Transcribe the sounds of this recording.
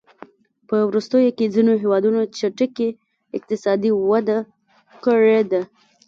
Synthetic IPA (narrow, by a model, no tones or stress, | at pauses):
pəwɾust̪əjoked͡zinoɦewɑd̪unot͡ʃaʈəke | ɪq̚t̪ɪsɑd̪iwad̪a | kəɻed̪a